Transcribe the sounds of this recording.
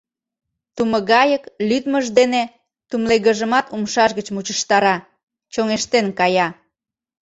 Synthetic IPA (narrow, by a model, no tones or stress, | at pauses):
t̪uməɣɑjəklyd̪məʒd̪ene | t̪umleɣəʒəmɑt̪umʃɑʃɣət͡ɕmut͡ɕəʃt̪ɑɾɑ | t͡ɕoŋeʃt̪enkɑjɑ